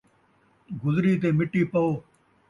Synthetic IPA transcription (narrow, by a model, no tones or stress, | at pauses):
ɡʊzɾiːt̪̬eːmɪʈːiːpəoː